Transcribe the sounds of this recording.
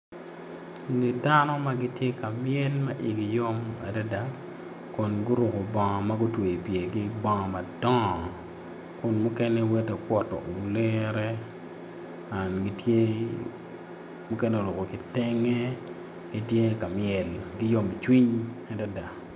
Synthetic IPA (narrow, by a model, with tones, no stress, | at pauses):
ni˨da˦nɔ˦ma˦ɡi˦tje˦ka˨mjɛ˦lma˦ʔi˨ɡi˨jo˦ma̰˨da˦da˨ | kʊ˨nɡʊ˦ɾʊ˨ko˨bɔ˨ŋɔ˨ma˦ɡʊ˦twe˨i˨pje˨ɡi˦bɔ˦ŋɔ˨ma˨dɔ˦˨ | kʊ˨nmʊ˦kɛ˦nɛ˦wɛ˦de˨kwɔ˨tɔ̰˨ɡu˨le˦ɾɛ˦ | a˨nɡi˦tje˦ | mu˦kɛ˦nɛ˦o˨lo˨ko˨kɪ˨tɛ˦ŋe˦ | ɡ̥i˦tje˦ka˨mɪɛ˨lɡɪ˦jo˦mi˨t͡ʃwi˦ɲ | a˨da˦da˨